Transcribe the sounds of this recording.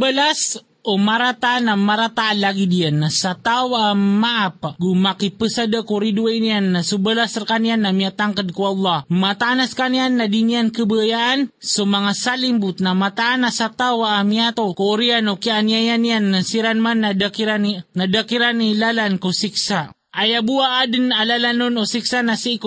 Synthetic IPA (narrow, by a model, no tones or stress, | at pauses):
bəlas | omaɾat̪anamaɾat̪aːnlaɡidiənːasat̪awaamaʔap̚ɡumakipəsadəkoɾiduainianːasubəlasrkanianːamiat̪aŋkəd̚kuɑlːɑmat̪aʔːnaskanianːadiniankəbəajaʔːnsomaŋasalimbut̪̚namat̪aʔːnasat̪awaʔmiat̪okooɾianokianiajanianːasiɾanmanːadakiɾaninadakiɾanilalankosiksa | ajabuaːdənalalanːunosiksanasik